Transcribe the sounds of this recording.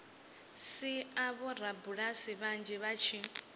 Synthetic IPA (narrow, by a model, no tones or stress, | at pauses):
siaβɔɾabuɺasiβand͡ʒɛβat͡ʃʰi